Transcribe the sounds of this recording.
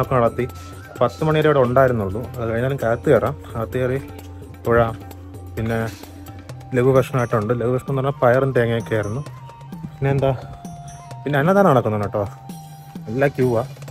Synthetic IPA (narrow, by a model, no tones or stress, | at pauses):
okːeɐɭɐt̪ːi | pɐt̪ːɨmɐɳiɾoːɽeuɳɖaːjiɾunːuɭːuɐðɨkɐɻiɲːaːlumkaːt̪ːɨeːraːm | ɐt̪ːijeri | t̪uɻaːm | pinːe̞ | leʋubʱɐʂɐɳɐmaːjʈːuɳɖɨleʋubɐʂɳɐmnːɐnːɐpɐjɐrenɖeɐŋːɐekːeːrunːu | pinːeːnd̪a | pinːeɐnːet̪ːaːnaːɳokːunːɐnɐʈːoː | elːaːkjuːʋaː